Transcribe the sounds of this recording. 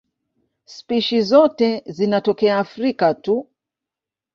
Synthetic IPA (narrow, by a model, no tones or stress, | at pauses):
spiʃizɔtɛzinatɔkɛaːfɾikatu